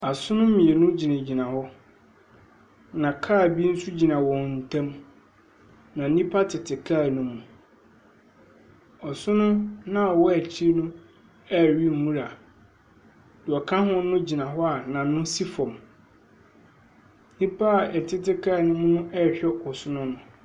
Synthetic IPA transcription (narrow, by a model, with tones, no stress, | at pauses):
a˨sʊ̃˦nʊ̃˦mĩ˨e˨nʊ̃˦d͡ʑi˨nã˨d͡ʑi˨nã˨hɔ˦ | nã˨kʰaː˦˨bi˦n̩˦sʊ˦d͡ʑi˨nã˨wɔ̃˨n̩˨tʰã˦m | nã˨˦nĩ˦pʰa˦tʰɪ˨tʰɪ˨kʰa˦˨nʊ̃˦mũ˨ | ɔ˨sʊ̃˦nʊ̃˦nã˨wɔ˦æ˨t͡ɕʰi˦nʊ̃˦ | ɛ˦˨ɥi˦˨mũ˦ɾa˨ | d̥ɪ˨ɔ˨kʰã˦ɦʊ̃˦nʊ̃˦d͡ʑi˨nã˨ɦɔ˦a˨nã˨˦nʊ̃˦si˦fɔ̃˨m˦ | nĩ˦pʰa˦˨ɛ˨tʰɪ˦tɪ˦kʰa˦˨nʊ̃˦m̃˦nʊ̃˦ʔɛ˦˨ɕᶣɛ˦ʔɔ˨sʊ˦nʊ̃˦nʊ̃˨